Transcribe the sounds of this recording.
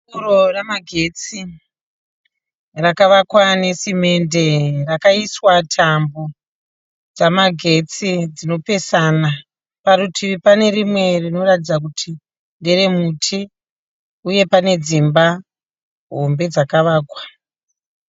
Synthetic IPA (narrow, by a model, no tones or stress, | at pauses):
uɾoramaɡʱe̞t͡si | rakaʋakwane̞sime̞nde̞rakaiswatʰambo | d͡zamaɡʱe̞t͡sid͡zino̞pe̞sana | paɾutʰipane̞ɾimwe̞rino̞ratid͡zak̬utʰi | ndere̞mutʰi | uje̞pane̞d͡zimba | ɦo̞mbe̞d͡zakaʋaːkwa